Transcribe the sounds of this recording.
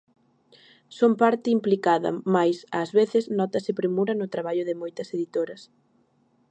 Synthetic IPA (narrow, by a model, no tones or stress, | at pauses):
sompaɾt̪ɪimplikaðɐ̰majsazβeθɪznɔt̪ɐsɪpɾemuɾɐnʊt̪ɾaβ̞aʎʊðɪmojt̪ɐseðit̪oɾɐs